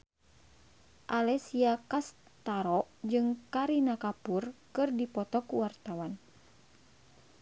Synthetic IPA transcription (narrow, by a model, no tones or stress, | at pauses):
ʔalɛsiakas | t̪aɾɔʔd͡ʒɨŋkaɾinakapurkɨrdipɔt̪ɔkuwart̪awan